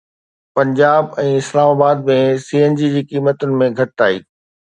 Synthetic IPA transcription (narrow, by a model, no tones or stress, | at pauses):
pɐ̃ɲd͡ʑaːbɛ̃ːɪslaːmaːbaːd̪̚mẽsiːeːnd͡ʑid͡ʑiːkiːmət̪ʊnɪ̆mẽɡʱɐʈaːḭː